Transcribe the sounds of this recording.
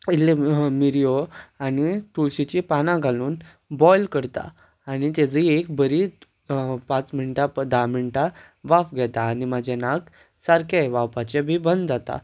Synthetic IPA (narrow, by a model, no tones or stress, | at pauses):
ilemiɾijoanit̪uɭɕit͡ɕipanãɡʱaluːn | bɔjlkəɾt̪a̰ | añit̪ed͡ziekbəɾi | pat͡smiɳʈapəd̪amiɳʈa | ʋafɡʱɛt̪aːnimad͡ʑʱenak | saɾkeʋapat͡ɕebʱiːbənd̪d͡zat̪a̰